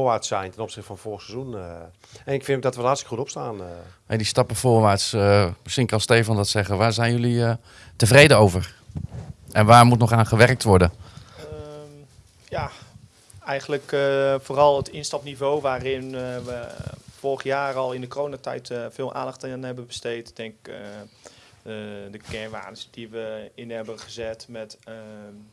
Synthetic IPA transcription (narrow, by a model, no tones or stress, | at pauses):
ʋaːsɛjntɛnɔpsɪxtəfɔnfolxəsɛzun | ɛnɪkfɪndɔtʋəhɑtsti̥kəxutɔpstaːnhejdistɑpəfoːɹʋaːtsəməsiŋkɑlˠsteːfɔndɔtsɛχəʋaːɹzɛjnjɵli | təvrejdəowvər | ʔɛnʋaːɹmutnɔχaːnχəʋɛrək̚tʋɔɹdə | ja | ɛjɣənləkfoːrɑlˠətɪnstɑpnivowʋaːrɪnʋəfɔrəɣəjaːrɔlˠɪndəkroːnatɛ̰jtfɪːlˠʔa̰ːndɑxtənɦɛbəbəstejtdɛŋkk | dəkɛnʋa̰ːnəsd̥iʋəɪnɦɛbəχəzɛtmɛt